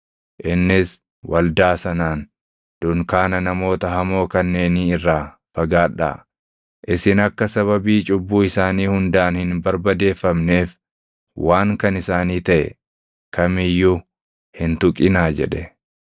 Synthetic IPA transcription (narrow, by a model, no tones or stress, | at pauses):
ʔɪnːɪs | wɐld̪aːsɐnaːn | d̪̥ʊŋkaːnɐnɐmo̞ːt̪ɐhɐmo̞ːkɐnːe̞ːniːɪrːaː | fɐɡaːᶑa̰ː | ʔɪsɪnɐkːɐsɐβɐbiːt͡ʃʼʊbːuːɪsaːniːhʊnd̪aːnhɪnbɐɾbɐd̪e̞ːfːɐmne̞ːf | wʔaːŋkɐnɪsaːniːt̪ɐʔɛ̰ | kɐmɪjːu | hɪnt̪ʊkʼːɪnaːd͡ʒɛᶑɛ